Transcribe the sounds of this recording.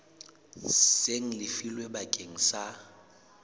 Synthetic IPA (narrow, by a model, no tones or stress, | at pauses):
seŋ̩lɪfilwebakʼeŋ̩sa